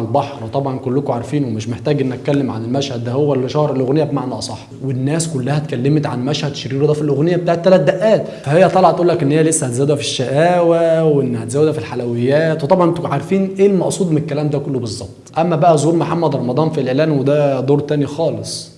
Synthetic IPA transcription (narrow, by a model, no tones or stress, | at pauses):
lbɑħɾwet̪ˤɑbʕɑnkolːʊkoʕaɾˤfiːnwemeʃmeħt̪æːɡʔenːʔæt̪̚kælːemʕa̰nelmæʃhæd̪̚ːæhowːælːʃɑhɾˤelʔoɣnejːæbmaʕnæsˤɑħ | wenːæːskʊlːæhæt̪̚kælːemt̪ʕanmæʃhæd̪ʃɑɾiːɾd̪æːfilʔoɣnejːæbet̪aʕet̪ːælæt̪̚d̪æʔːæːt̪ | fæhejːæt̪ˤɑlɑʕt̪ʔuːlːækʔenːhejːælesːæhæt̪zæːwd̪æfiʃːæʔæːwæwʔenːhæt̪zæːwæd̪æfilħalæwejːæːt̪wet̪ˤɑbʕɑnʔent̪ːkʕaɾˤfiːnʔeːlmɑʔsˤuːd̪ˤmenekːælæːmd̪ækolːobezˤːɑb̚tt̪ˤʔæmːæbæʔæzhuːɾmoħamːæd̪ɾˤɑmɑd̪ˤɑːnfileʕlæːnwed̪æd̪ˤoːɾt̪æːnixɑːlesˤ